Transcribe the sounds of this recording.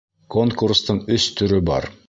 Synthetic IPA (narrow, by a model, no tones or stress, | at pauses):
kʰoŋkurst̪əɴɵst̪ʰʏɾʏbɑ̰ɾ